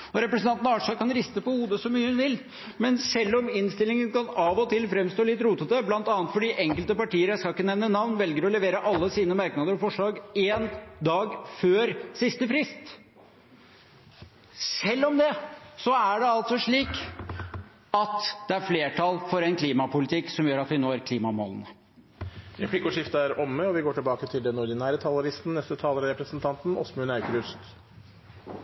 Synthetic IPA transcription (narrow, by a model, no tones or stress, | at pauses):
ɔɾɛpɾəsnɑnt̪nɑɑːʂɑkʰɑnɾɪst̪əpɔhuːd̪əsɔmyːəhʉnʋɪl | mɛnsɛlːɔmɪnst̪ɪlɪŋənkɑnɑːʋɔt̪ʰɪlfɾɛmst̪oːlɪt̪ːɾuːt̪əd̪əblɑnt̪ɑːnət̪fɔɖiʔɛŋkəlt̪əpɑʈiːəɾjæɪskɑlɪkːənɛʋnənɑʋnʋɛlɡəɾɔlɛʋeːɾəʔɑlːəsiːnəmæɾknɑd̪əɾɔfɔʂɭɑːɡend̪ɑːɡføːɾsɪst̪əfɾɪst̪ | sɛlːɔmd̪ɛsɔæɖɛɑlt̪sɔʂɭiːk | ɑt̪d̪̥ɛæɾfleːʈʰɑlfɔɾɛnkʰliːmɑpʊlɪt̪ʰɪkːsɔmjøːɾɑt̪ʋɪnoːæɾkʰliːmɑmo̰ːlnə | ɾɛplɪkʊʂɪft̪əæɾɔmːəɔʋɪɡoːʈɪlbɑːkət̪ʰɪld̪ɛnʊɾɖɪnæːɾət̪ʰɑːləɾɪst̪n̩nɛst̪ət̪ʰɑːləɾɾɛpɾəsnt̪ʰɑnt̪n̩ɔ̰smʉnæʏkɾʉst̪